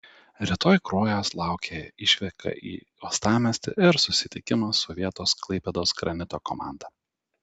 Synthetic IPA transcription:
ɾʲɪt̪oːjkɾoːjoːslˠɑˑʊkʲʰeːɪʃʲʋʲɛkɐ̰ʔḭː | oːst̪ɑːmʲɛsʲt̪ʲɪ̰ʔɪɾsʊsʲɪt̪ʲɪkʲɪmɐsɔʋʲiɛt̪oːsklˠɐɪpʲɛd̪oːsɡɾɐnʲɪt̪oːkɔ̰mɑ̰ˑnd̪ɐ

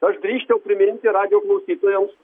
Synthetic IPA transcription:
ɐʃɡɾʲiːʃʲt͡ʃ̪ʲɛʊpʲɾʲɪmʲɪnʲt̪ʲɪɾɑːd̪ʲɪjoːklˠɐʊsʲiːt̪oːjɛms

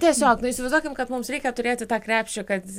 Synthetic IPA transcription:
t̪ʲiɛsʲoːknʊɪsʲɪʋɐɪzd̪uɔkʲɪmkɐt̪mʊmsɾʲɛɪkʲɛt̪ʊɾʲeːt̪ʲɪt̪ɑːkɾʲæːpʲʃʲt͡ʃʲʊkɐt̪

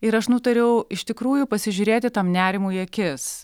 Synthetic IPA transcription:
ɪɾɐʃnʊt̪ɐɾʲɛʊɪʃt̪ʲɪkɾuːjʊpɐsʲɪʒʲʊɾʲeːt̪ʲɪt̪ɐmnʲæːɾʲɪmuːjɛkʲɪs

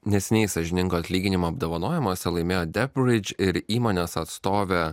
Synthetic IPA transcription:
nʲɛsʲɪnʲɛɪsɐʒʲɪnʲɪŋɡoːɐt̪ʲlʲiːɡʲɪnʲɪmoːɐbd̪oːʋɐnoːjɛmoːsʲɛlˠɐɪmʲeːjoːd̪ʲɛpʲɾʲɪd͡ʒʲɪɾiːmoːnʲeːsɐt̪st̪oːʋʲɛ

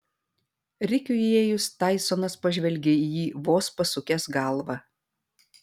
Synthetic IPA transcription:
ɾʲɪkʲʊjeːjʊst̪ɑɪsoːnɐspɐʒʲʋʲɛlʲɡʲeijiːʋoːspɐsʊkʲɛsɡɑˑlˠʋɑ

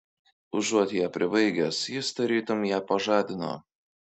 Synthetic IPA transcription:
ʊʒuɔt̪ʲjæːpʲɾʲɪbɐɪɡʲɛsjɪst̪ɐɾʲiːt̪ʊmjæːpɐʒɑːd̪ʲɪno̰ː

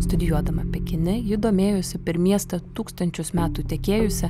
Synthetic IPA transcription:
st̪ʊd̪ʲɪjuɔd̪ɐmɐpʲɛkʲɪnʲɪjɪd̪oːmʲeːjosʲɪpʲɛɾmʲiɛst̪ɐt̪uːkst̪ɐnʲt͡ʃʲʊsmʲæːt̪uːt̪ʲɛkʲeːjʊsʲɛ

